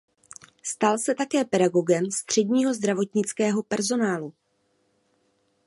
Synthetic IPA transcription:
st̪alsɛt̪akɛːpɛdaɡo̞ɡɛmst̪r̝̥ɛdɲiːɦo̞zd̪ɾavo̞t̪ɲɪt͡skɛːɦo̞pɛɾzo̞naːlu

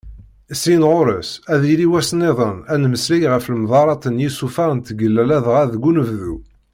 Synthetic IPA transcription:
əsɾinʁoɾəsæðiliwæsneðˤənænməslijʁəfləmðˤɑɾˤɑt̪ənjisufæʁənt̪ɡəlːælæðʁæðɡunəvðu

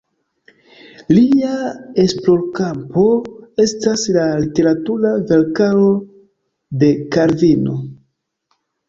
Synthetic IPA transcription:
liae̞splo̞ɾkampo̞e̞staslalite̞ɾatuɾave̞ɾkalo̞ | de̞kaɾvino̞

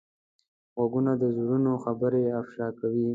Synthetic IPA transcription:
ɣwaɡunad̪əzuɾunoxabəɾeafʃɑkawi

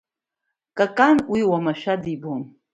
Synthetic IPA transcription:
kʼakʼanwiwamaʃadibon

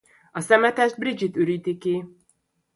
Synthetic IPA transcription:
ɒsɛmɛt̪ɛʒd̪̚brid͡ʒit̪øɾiːt̪iki

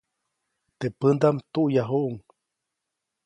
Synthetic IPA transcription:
t̪eʔpənd̪amt̪uʔjaɦuʔuŋ

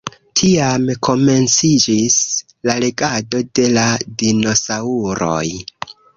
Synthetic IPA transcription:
tʰiamkʰo̞me̞nt͡sid͡ʒis | lale̞ɡado̞de̞ladino̞sauɾo̞̰j

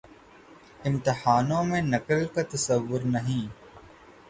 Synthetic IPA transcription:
ɪmt̪ɪhaːnõmẽnɐkəlkat̪ɐsəʋːʊɾnɐɦĩː

